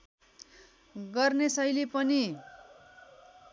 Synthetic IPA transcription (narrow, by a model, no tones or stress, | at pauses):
ɡʌrnesʌjlepʌni